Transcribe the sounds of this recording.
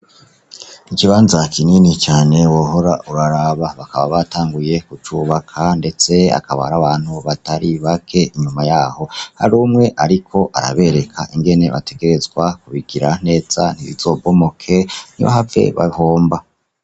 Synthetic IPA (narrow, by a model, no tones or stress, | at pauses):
ikiβaːnzakʰininit͡ʃaːne̞woɦo̞ɾaʔuɾaɾaβaβakaβaβataːŋɡuje̞kut͡ʃuβakʰande̞t͡se̞a̰kaβa̰haɾaβaːnhuβataɾiβakʰe̞ʔiɲumajaːho̞ha̰ɾuːmŋe̞ʔaɾikʰo̞ʔa̰ɾa̰βe̞ɾe̞kʰa̰ʔiŋɡe̞ne̞βa̰te̞ɡe̞ɾe̞zɡwakuβiɡ̥iɾan̥e̞ːz̥an̥iβḭz̥o̞ːbo̞mokʰe̞niβa̰ɦave̞̰βa̰hoːmba